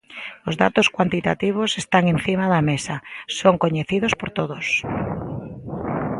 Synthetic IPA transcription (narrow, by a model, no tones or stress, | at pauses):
ozðat̪oskwant̪it̪at̪iβ̞osest̪aŋẽn̟θimaðamesasoŋkoɲeθið̞ospoɾt̪oðos